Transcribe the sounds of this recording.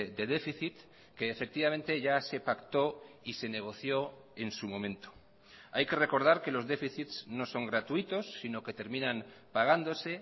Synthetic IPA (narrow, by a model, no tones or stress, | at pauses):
d̪e̞ðe̞fiθit̪ | keːfe̞k̚t̪iβamẽ̞nt̪e̞ʝase̞pakt̪o̞ise̞ne̞ɣ̞o̞θjo̞ | e̞nsumõ̞mẽ̞nt̪o̥ | ajke̞re̞ko̞ɾð̞aɾke̞lo̞zðe̞fiθit̪sno̞so̞ŋɡɾat̪uit̪o̞sːino̞ke̞t̪e̞ɾmĩnãnpaɣ̞and̪o̞se̞